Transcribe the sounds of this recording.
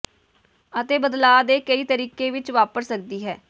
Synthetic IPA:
ət̪eːbəd̪laːd̪eːkəiːt̪əɾiːkeːʋɪt͡ʃʋaːpəɾsək̚d̪iːɦɛː

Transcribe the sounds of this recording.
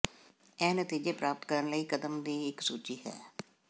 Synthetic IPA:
ɛːnət̪iːd͡ʒeːpɾaːpət̪kəɾənləiːkəd̪əmd̪iːɪksuːt͡ʃiːɦɛ̰ː

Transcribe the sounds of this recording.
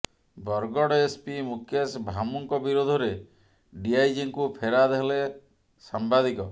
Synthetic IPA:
bɔɾɡɔɽespimukʰjesbʱamuŋkɔbiɾod̪ʱɔɾe | ɖiajd͡ʒiŋkupʰeɾad̪eɦle | sambad̪ikɔ

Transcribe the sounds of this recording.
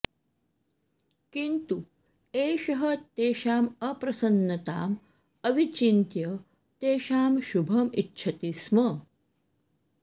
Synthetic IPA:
kint̪u | eːʃɐɦət̪eːɕaːməpɾɐsənːɐt̪aːm | əʋit͡ɕint̪jə | t̪eːɕaːmʃubʱɐmitːɕʰɐt̪ismə

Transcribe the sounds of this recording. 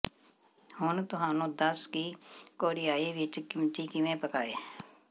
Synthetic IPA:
hʊnt̪ʊɦaːnũːd̪əskiːkoːɾɪjaːiːʋɪt͡ʃkɪmt̪iːkɪʋẽːpəkaːeː

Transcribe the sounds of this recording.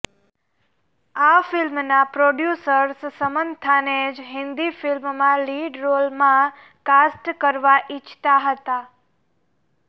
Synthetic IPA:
afɪlmnapɾoɖjusəɾssəmənt̪ʰaned͡ʒɦɪ̃nd̪ifɪlmmãliɖɾolmã | kasʈkəɾʋaʔit͡ʃʰt̪aɦət̪a

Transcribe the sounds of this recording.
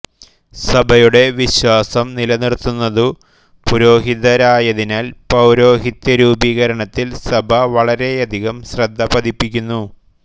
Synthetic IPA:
sɐbʱɐjuɽe̞ʋiɕwaːsɐmnilɐniɽt̪ːunːɐðɨ | puɾo̞ːɦiðɐɾaːjɐðinaːlpɐwɾo̞ːɦit̪ːɐɾuːbiːɣɐɾɐɳɐt̪ːilsɐbʱɐʋɐɭɐɾe̞jɐd̪ʱiɣɐmɕrɐd̪ʱːɐpɐd̪ʱipːikʲːunːu

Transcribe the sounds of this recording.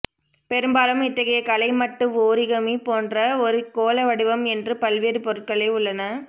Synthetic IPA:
pɛɾɯmbaːlɯmɪt̪ːɐɣɐjɐkɐlɐɪmɐʈːɯmoːɾɪɣɐmipoːndrɐɔɾɯkoːlɐʋɐɽɯʋɐmɛndrɯpɐlʋeːɾɯpɔɾɯʈ̚kɐɭɐɪʊɭːɐnɐ

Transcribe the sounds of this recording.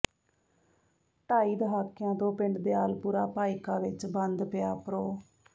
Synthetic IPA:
ʈaːiːd̪əɦaːkːɪjãːt̪õːpɪ̃ɳɖd̪eːaːlpuːɾaːpaːikaːʋɪt͡ʃbənd̪pɪjaːpɾoː

